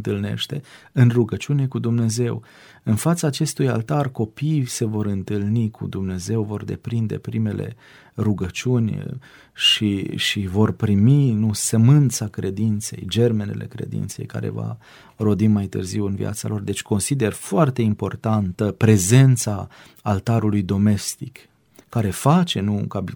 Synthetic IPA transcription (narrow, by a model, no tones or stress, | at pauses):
ɨnt̪ɨlne̞̰ʃt̪e̞ | ɨnruɡət͡ʃiune̞kud̪umne̞ze̞w | ɨnfat̪saːt͡ʃe̞st̪uja̰lt̪arko̞pijse̞vo̞ɾɨnt̪ɨlnikʰṵd̪umne̞ze̞wvo̞rd̪e̞̰pɾind̪e̞̰pɾime̞lʔe̞̰ | ruɡət͡ʃunʲ | ʃiʃivo̞rpɾiminusəmɨnt̪sakɾe̞d̪int̪se̞̰jd͡ʒe̞rme̞ne̞̰lʔe̞̰kɾe̞̰d̪ḭnt̪se̞̰jka̰ɾe̞̰va̰ | ɾo̞d̪imajt̪ɨ̰rziwɨnvḭʔa̰t̪salo̞rd̪e̞t͡ʃʲko̞nsid̪e̞rfoart̪e̞impo̞rt̪ant̪əpɾe̞ze̞nt̪sa | alt̪aɾulujd̪o̞me̞st̪ikː | aɾe̞fat͡ʃe̞nṵːŋkai